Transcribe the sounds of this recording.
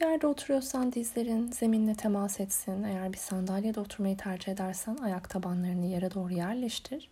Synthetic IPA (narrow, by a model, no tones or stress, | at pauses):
jæɾd̪ɛo̞t̪ʰuɾujo̞ɾsand̪izlʲe̞ɾinz̥e̞minilʲɛt̪ʰemasɛt̪sine̞jæɾbiɾsand̪alʲjad̪ao̞t̪ʰuɾmajit̪ʰæɾd͡ʒihe̞d̪æɾsænajakt̪ʰabanlˠaɾɯnɯjaɾad̪o̞ːɾujæɾlʲɛʃtt̪ʰiɾ̥